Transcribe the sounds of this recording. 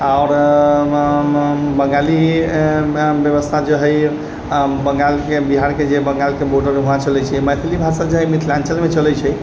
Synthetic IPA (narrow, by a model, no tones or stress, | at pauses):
aʊɾ | bəŋɡali | bjəβəst̪ʰad͡ʒəɦəj | bəŋɡalkebiɦaɾked͡ʒebəŋɡalkeboʈəɾɦuɦãt͡ʃəlɛt͡ʃʰɛməjt̪ʰilibʱasad͡ʒəɦəjmit̪ʰlãnt͡ʃəlmet͡ʃəlɛt͡ʃʰɛ